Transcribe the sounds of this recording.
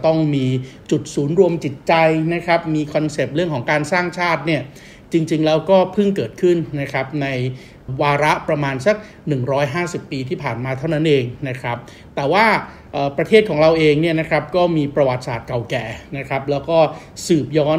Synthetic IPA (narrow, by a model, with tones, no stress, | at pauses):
t̪ɔ˥˩ŋmiː˧t͡ɕu˨˩t̪̚suː˩˦nɾu˧əmt͡ɕi˨˩t̪̚t͡ɕa˧jna˦˥kʰɾa˦˥p̚miː˧kʰɔ˧nse˨˩p̚ɾɯ˥˩əŋkʰɔː˩˦ŋkaː˧nsaː˥˩ŋt͡ɕʰaː˥˩t̪̚ni˥˩ɐ | t͡ɕi˧ŋt͡ɕi˧ŋlɛː˦˥wkɔː˥˩pʰɯ˥˩ŋkɤː˨˩t̪̚kʰɯ˥˩nːa˦˥kʰɾa˦˥p̚na˧j | waː˧ɾa˦˥ʔpɾa˧maː˧nsa˨˩k̚ | nɯ˨˩ŋɾɔː˦˥jɦaː˥˩si˨˩pːiː˧t̪ʰiː˥˩pʰaː˨˩nmaː˧t̪ʰa˥˩wna˦˥nʔeː˧ŋna˦˥kʰa˦˥p̚ | t̪ɛː˨˩waː˥˩ | ʔəː˨˩pɾa˧t̪ʰeː˥˩kʰɔː˩˦ŋɾa˧wʔeː˧ŋni˥˩na˦˥kʰɾa˦˥p̚kɔː˥˩miː˧pɾa˧wa˨˩t̪̚sa̰ː˨˩t̪̚ka˨˩wkɛː˨˩na˦˥kʰɾa˦˥p̚lɛː˦˥wkɔː˥˩sɯː˨˩p̚jɔː˦˥n